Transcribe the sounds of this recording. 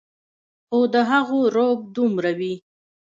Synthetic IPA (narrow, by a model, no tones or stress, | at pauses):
xod̪əɦaɣoɾob̚d̪umɾawi